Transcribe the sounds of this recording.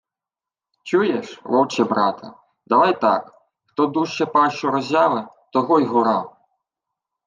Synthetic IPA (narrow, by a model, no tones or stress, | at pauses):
t͡ʃujɛʂʋɔwt͡ʃɛbɾɑt̪ʰɐ̰ | d̪ɐʋajt̪a̰k | xt̪ɔd̪uʃt͡ʃɛpaʃɔɾɔzʲaʋɪ | t̪ɔɣɔjɣɔɾa